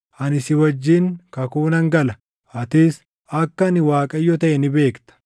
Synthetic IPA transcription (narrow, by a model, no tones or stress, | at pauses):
ʔɐnɪsɪwɐd͡ʒːiŋkɐkuːnɐŋɡɐlɐ | ʔɐt̪ɪs | ɐkːɐnɪwaːkʼɐjːɔt̪ɐʔɛnɪbe̞ːkt̪ɐ̥